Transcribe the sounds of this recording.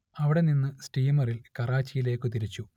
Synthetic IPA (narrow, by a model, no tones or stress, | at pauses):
ɐʋiɽe̞ninːɨsʈiːmɐrilkɐraːt͡ɕːijile̞ːkːɨt̪iɾit͡ɕːu